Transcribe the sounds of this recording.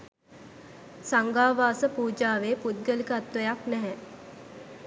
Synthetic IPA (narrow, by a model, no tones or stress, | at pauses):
saŋɡaːʋaːsəpuːd͡ʒaːʋeːpud̪̚ɡəlikəːt̪ʋəjaknɛɦɛ